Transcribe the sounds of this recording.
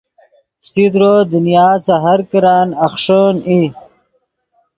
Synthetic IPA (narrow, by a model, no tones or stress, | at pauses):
sid̪ɾod̪unjaːsaɦaɾkəɾaːnɐxʂəni